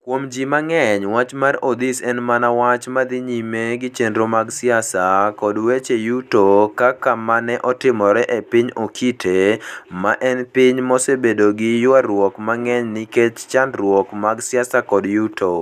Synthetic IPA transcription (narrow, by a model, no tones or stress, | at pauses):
kwomd͡ʒimaŋɛɲwat͡ʃmarod̪isɛnmanawat͡ʃmad̪ɪɲimeɡɪt͡ʃendɾomaɡsɪjasakɔdwet͡ʃejutokakamanɛʔɔtɪmɔɾɛʔepɪɲokʰitʰemaʔɛnpɪɲmɔsebedoɡɪjʊaɾwɔkmaŋɛɲnɪket͡ʃt͡ʃandrwɔkmaɡsɪasakɔdjutʰo